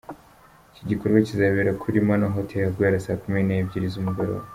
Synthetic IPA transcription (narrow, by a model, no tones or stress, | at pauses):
iciɟikoɾɡwacizaβeɾakʰuɾimanaɦotʰejaɡweːɾasaːkuminebɟiɾizumuɡaɾo̰